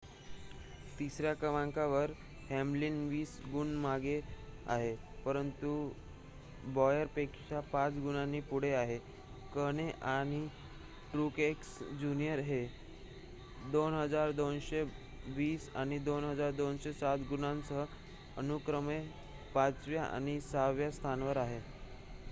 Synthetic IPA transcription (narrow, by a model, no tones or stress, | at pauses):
t̪isɾjakəʋãŋkaʋəɾ | hemlinʋiːsɡuɳmaɡea̰ɦe | pəɾənt̪u | bɔjəɾpekt͡ɕapat͡sɡunanːiːpuɽ̤eaɦe | kəɽ̃eʔaɽ̃i | ʈɾukeksd͡ʑunijəɾɦe | d̪onɦəd͡zaɾd̪onɕe | ʋiːsaɽ̃id̪onɦəd͡zaɾd̪onɕesat̪ɡunãnt͡sə | ənukɾəme | pat͡sʋjaʔa̰ɽ̃isaʋjast̪ʰanʋəɾaɦe